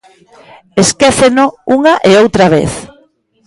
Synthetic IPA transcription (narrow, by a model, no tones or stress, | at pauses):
eskeθenouŋaʔeowt̪ɾaβḛθ